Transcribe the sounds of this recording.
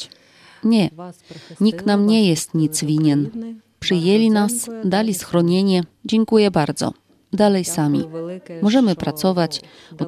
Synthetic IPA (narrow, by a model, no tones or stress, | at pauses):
ɲɛ | ɲik̪namɲɛjɛst̪ɲit̪svʲiɲɛn | pʂɘjɛlʲinasd̪alʲisxɾɔɲeɲɛd͡ʑɛŋkujɛbaɾd̪zɔ̰ | d̪alɛjsamʲḭmɔʐɛmɘpɾat̪sɔvat͡ɕ | ɔ